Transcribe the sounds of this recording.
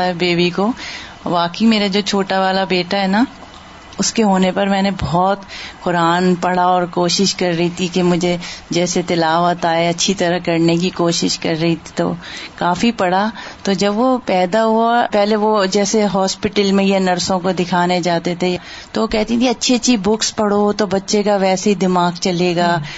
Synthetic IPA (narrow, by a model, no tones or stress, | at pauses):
aɦɛbeːbiko | ʋaːkəimeːɾad͡ʒoːt͡ʃʰoːʈaʋaːlabeːʈaɦɛːna | ʊskeɦoːnepɐɾmɛ̃ːnebɔːt̪kʊɾaːnpɐɽ̤aɔːɾkoːʃɪʃkɐɾːɐɦit̪ʰikemʊd͡ʒʱed͡ʒɛːset̪ɪlaːʋət̪aːeɐtːʃʰit̪ɐɾəɦkɐɾnek̬ikoːʃɪʃkɐɾːɐɦit̪ʰi̥t̪o̰kaːfipɐɽat̪od͡ʒɐbʋopɛːd̪aɦuapɛːleʋod͡ʒɛːseɦɔːspɪʈəlmẽjanɐɾsõkod̪ɪkʰaːned͡ʒaːt̪et̪ʰe | t̪oʋokɛɦt̪ĩt̪ʰiɐtːʃʰiɐtːʃiːbʊkspɐɽ̤ot̪obɐtːʃekaʋɛːseɦid̪ɪmaːɡt͡ʃɐleːɡaː